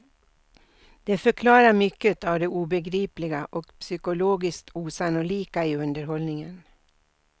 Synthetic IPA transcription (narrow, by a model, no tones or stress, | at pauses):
d̪̥eːfœkʰlɑːɾamʏkːət̪ɑːʋd̪eːʔuːbəɡɾiːplɪɡaʔɔkpsʏkʊloːɡɪskt̪ʰuːsɑnʊliːkaiːɵnd̪əɾɦɔlnɪŋən